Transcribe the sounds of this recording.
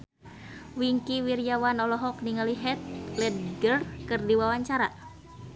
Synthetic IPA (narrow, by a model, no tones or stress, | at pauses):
wiŋkiwiɾiawanɔlɔɦɔk̚niŋaliɦɛt̪̚klɛd̪̚ɡərkɨrdiwawaɲt͡ʃaɾa̰